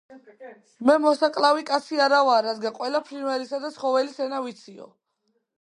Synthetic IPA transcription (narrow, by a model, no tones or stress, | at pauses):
mɛmɔsakʼlavikʼat̪sʰiaɾavaːɾad̪ɡanqʼwɛlapʰɾinvɛɾisad̪at̪sχɔvɛlisɛnavit̪sʰiɔ̰